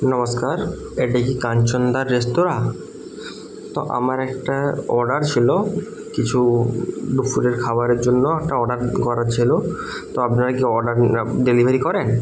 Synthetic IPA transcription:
nɔmoskaɾ | eʈakikant͡ɕond̪aɾːest̪oɾa | t̪o̰ʔa̰maɾɛkʈaɔɾɖaɾt͡ɕʰilo | kit͡ɕʰu | ɖufʰuɾeɾkʰabaɾeɾd͡ʑonːoɛk̚ʈaɔɖaɾɡɔɾaɾt͡ɕʰilo | t̪oapnaɾakiɔɾɖaɾɖelibʱeɾikɔɾen

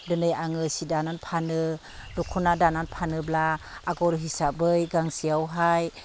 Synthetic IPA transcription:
dɯnɯjaŋɯsidananpʰanɯ | dukʰunadananpʰanɯblaːɡɔɾɦisabɯjɡaŋsiawɦaj

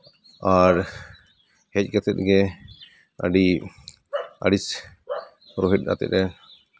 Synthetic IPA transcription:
aɾ | hɛc̚ˀɡɛt̪ɛt̪̚ɡɛ | a̰ɖi | a̰ɖis | hɔɾɔɦiʈ̚ˀna̰t̪ɛ̰t̪̚ɛ

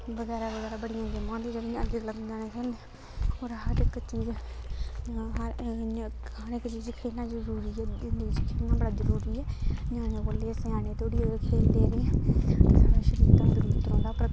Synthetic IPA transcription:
ʋəɡɛːɾaːʋəɣɛːɾaːbəɽɪjãːd͡ʒəmãːd̪iːd͡ʒəɽĩəd̪eːkləbnd̪aːnẽːkʰẽne | oːɾɦəɾɪkːt͡ʃiːd͡ʒ | ɦ | əɾɪkt͡ʃiːd͡ʒkʰeːlnãːzəɾuːɾiːɛːɪnd̪id͡ʒkʰeːnãːbəɽaːzəɾuːɾiːɛːɲãːnẽːboːlːeːsãːnẽːt̪ʰoːɽiːkʰeːld̪eːɾeːesaːɽaːʃəɾiːt̪ãːzəɾuːɾiːt̪əɾõːd̪aːpɾə

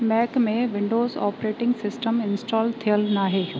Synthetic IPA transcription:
mɛːkmẽʋɪ̃ɳɖoːzɔ̰ːpɾeːʈɪ̃ŋɡsɪsʈəmɪnsʈɔːlt̪ʰijəlnaːɦeː

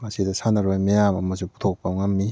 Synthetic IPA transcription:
masidɐsanɐɾojmijamɐmɐzupu̥t̪ʰok̚pawŋamːi

